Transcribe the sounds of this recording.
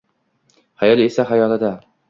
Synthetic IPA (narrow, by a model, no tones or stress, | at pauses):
hajɒlˠesaɦajɒlˠɪd̪a